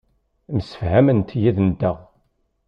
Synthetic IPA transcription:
msə̥fhæmənt̪jiðnəd̪ːæʁ

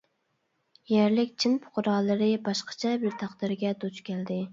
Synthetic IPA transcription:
jɛɾlɪkʲt͡ʃʰinpʰʊ̥qʊɾɑːlˠɨɾɨbɑʃqɑ̥t͡ʃʰɛbɪɾt̪ʰɑqd̪ɪɾɡʲɛd̪ot͡ʃkʲɛld̪ɪ

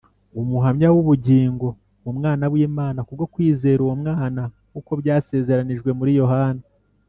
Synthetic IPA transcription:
umuɦamɲawuβuɟiːŋɡo̞ | wumŋaːnaβwiːmaːnakuɾɡokwiːze̞ːɾuwomŋaːna | kuko̞bjaːse̞ːze̞ɾaniʒɡwe̞muɾijo̞ɦaːna

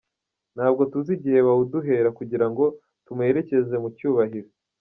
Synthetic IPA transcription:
n̥haːb̚ɡo̞tuziɟiheβauduɦe̞ːɾakuɟiɾaŋɡo̞ | tume̞ːɾe̞ce̞ze̞mucuːβaɦiɾo

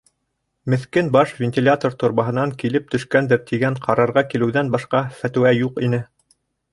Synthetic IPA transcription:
mɘ̆θkɘnbɑʃvʲenʲt̪ʲilʲat̪ort̪ŏɾmɑɦɤ̆nɑŋkilɘp̚t̪ɵ̆ʃkænd̪ɘɾt̪ʰiɡæɴqʰɑɾɑɾʁɑkilɘ̆wðænbɑʃqɑfæt̪ɘ̆wæjuqinɘ

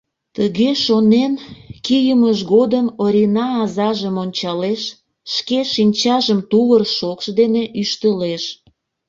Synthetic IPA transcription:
t̪əɣeʃonenkijəməʃɣod̪əmoɾʲinɑːzɑʒəmonʲt͡ɕɑleʃː | keʃinʲt͡ɕɑʒəmt̪uβərʃokʃd̪eneʔyʃt̪əleʃ

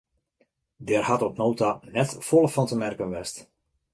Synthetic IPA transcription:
dɛrhatɔpnowtanɛtfɔlˠəfɑntəmɛrkənʋɛst

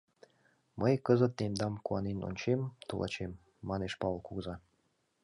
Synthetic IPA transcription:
məjkəzə̆t̪̚nemd̪ɑmkuɑneno̰nʲt͡ɕemt̪ulˠʔɑ̰t͡ɕemː | ɑneʃpɑlˠkuɣzɑ

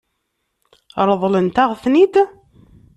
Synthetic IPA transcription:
ɾˤəðˤlənt̪aʁθnid̪

